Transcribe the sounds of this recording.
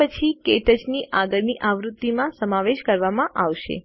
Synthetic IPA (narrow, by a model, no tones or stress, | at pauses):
ət͡ʃʰikeʈəd͡ʒniʔaɡəɭniʔaʋɾut̪ːimãsəmaʋeʃkəɾʋamãʔaʋʃḛ